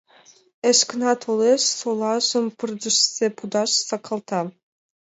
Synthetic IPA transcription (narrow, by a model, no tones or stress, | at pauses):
ĕʃknɑt̪ʰoleʃsolˠɑʒɤ̆mpɯrd̪ə̆ʃsepud̪ɑʃsɑkʰɑlˠt̪ɑ